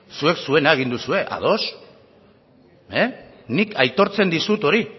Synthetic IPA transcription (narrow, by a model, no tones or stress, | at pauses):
sue̞ksue̞naeɣ̞ind̪usue̞ʔa̰ðo̞s | e | nikʰajt̪o̞ɾt͡se̞nd̪isut̪o̞ɾi